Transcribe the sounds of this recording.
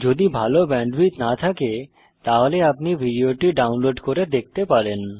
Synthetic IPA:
d͡ʑod̪ibʱalobɛɳɖbit̪nat̪ʰake | t̪aɦoleapnibʱiɖioʈiɖawnloɖkoɾed̪ek̚t̪epaɾen

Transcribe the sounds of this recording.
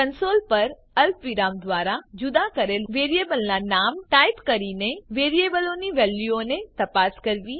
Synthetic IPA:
kənsolpəɾ | əlpʋiɾamd̪ʋaɾad͡ʒud̪akəɾelʋeɾijebəlnanamʈajpkəɾineʋeɾiebəloniʋɛljuonet̪əpaskəɾʋi

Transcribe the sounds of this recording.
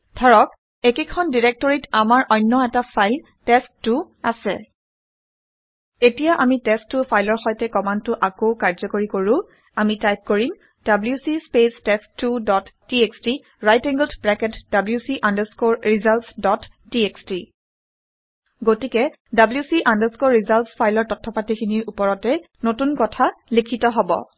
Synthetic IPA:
dʱɔɹɔk | ekekʰɔndiɹek̚tɔɹitamaɹʔɔjnːɔɛtapʰajl | tɛstːʊ | asɛ̰ | etijaʔamitɛstːʊpʰajlɔɹxɔjtɛkɔmantʊʔakoʊkaɹzɔkoɹikoɹʊ̃ | amitajp̚koɹim | dabljusispestɛstːudɔtːieksti | ɹajtɛŋɡldbɹɛkɛtd̥abljusiʔandəskoɹɹizalsdɔtʰː | ieksti | ɡotikɛ | dabljusiʔandəskoɹːizalspʰajlɔɹtɔtʰːɔpatikʰiniɹupɔɹɔtɛ | notunkɔtʰalikʰitɔɦɔbɔ̰

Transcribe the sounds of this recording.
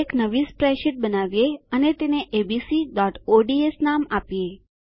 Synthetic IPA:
eknəʋispɾɛʃɪʈ̚bənaʋjeənet̪eneʔebisiɖɔʈoɖiesnamapije

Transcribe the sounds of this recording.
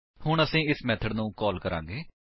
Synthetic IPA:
hʊɳəsĩːɪsmɛːt̪ʰəɖnũːkɔːlkəɾã̰ːŋɡeː

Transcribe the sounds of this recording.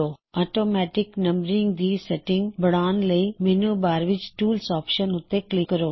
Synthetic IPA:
oːɔːʈoːmɛːʈɪknɐ̃mbɾɪ̃ŋɡd̪iːsɛʈɪ̃ŋɡbɐɽ̃aːnlɐimeːnubaːɾʋɪt͡ʃʈuːlsɔːpʃənɦʊt̪eklɪkːɐɾoː

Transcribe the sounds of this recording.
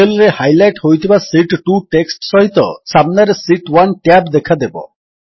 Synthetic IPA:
elɔɾehajlajʈɦojt̪ʰibasiʈʈuʈeksʈʃɔɦit̪ɔ̰samnaɾesiʈwanʈɛbd̪ekʰad̪ebɔ̰

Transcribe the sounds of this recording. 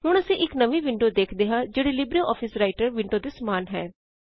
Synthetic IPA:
ɦʊɽəsĩːʔɪknəʋiːʋɪɳɖoːd̪eːkʰd̪eːɦãːd͡ʒeːɽeːlɪbɾeːʔɔːpʰɪsɾaːɪʈəɾʋɪɳɖoːd̪eːsəmaːnɦɛː

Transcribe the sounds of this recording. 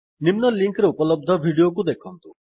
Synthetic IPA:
nɪmnəliŋkɾeʊpələb̚d̪ʱəʋʱiɽijokud̪ekʰə̃nt̪u

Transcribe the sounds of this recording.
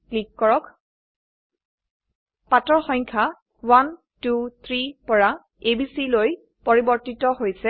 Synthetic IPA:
klikːɔɹɔk | patɔɹxɔŋkʰa | wan | tut̪ʰɹipɔɹa | ebisiloj | poɹibɔɹtitɔɦojsɛ

